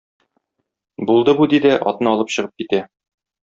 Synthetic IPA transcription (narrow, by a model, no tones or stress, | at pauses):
bulˠd̪ɤbud̪id̪ɘʔɒ̰t̪nɤɒlˠɤpɕɤ̆ʁɤp̚kit̪æ